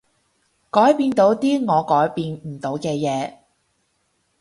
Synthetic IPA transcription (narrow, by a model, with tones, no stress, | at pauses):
kɔː˨˥jpiː˧nt̪o˨˥wt̪iː˥ŋɔː˨˧kɔː˨˥jpiː˧nm̩˨˩t̪o˨˥wkɛː˧jɛː˨˧